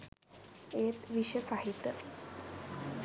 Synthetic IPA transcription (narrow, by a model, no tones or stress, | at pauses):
eːt̪ʋiʃəsaɦit̪ːjə